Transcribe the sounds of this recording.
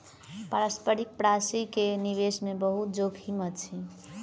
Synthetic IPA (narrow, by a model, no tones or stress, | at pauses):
paɾəspəɾik̚pɾasikeniʋesmebəɦut̪̚d͡ʒoɡhimət̪t͡ʃʰi